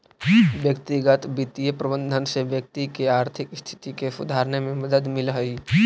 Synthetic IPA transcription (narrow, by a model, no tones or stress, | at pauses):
ʋjəkt̪iɡət̪bit̪ijəpɾəbə̃nd̪ʱənseʋjək̚t̪ikeaːɾt̪ʰɪkst̪ʰɪ̥t̪ikesʊ̰d̪ʱaːɾənemẽməd̪əd̪mɪlɦəi